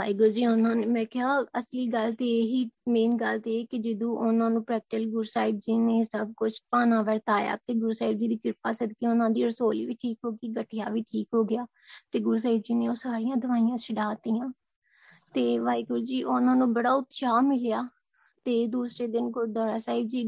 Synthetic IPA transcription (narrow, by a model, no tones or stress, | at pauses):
ʋaːiːɡoɾd͡ʒiːʊnãːneːmɛ̃ːkɪɦaːəsliːɡəlt̪eːeːɦiːmeːnɡəlt̪eːeːkɪd͡ʒɪd̪ũːʔʊnãːnũːpɾɛːk̚ʈɪlɡʊɾsaːɪd̪̚d͡ʒiːneːsəb̚kʊt͡ʃʰpaːnãːʋəɾt̪aːja̰ːt̪eːɡʊɾsaːɪd̪̚d͡ʒiːd̪iːkɪɾpaːsəd̪kiːʊnãːd̪iːəɾsoːlḭːʋiːʈʰiːkɦoːɡiːɡəʈʰːɪjaːʋiːʈʰiːkɦoːɡɪjaː | t̪eːɡʊɾs̬aːɪbd͡ʒiːneːoːsaːɾijãːd̪əʋaːijãːsʰəɽaːt̪iːãː | t̪eːʋaːikʊɾd͡ʒiːʔʊnãːnũːbəɽaːʊt̪ʃaːmɪljaː | t̪eːd̪uːsɾeːd̪ɪnɡʊɾd̪ɔːɾaːsaːɪb̚d͡ʒiː